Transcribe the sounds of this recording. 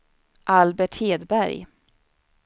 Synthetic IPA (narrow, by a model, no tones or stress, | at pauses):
ʔalbɛʈheːd̪bæɾj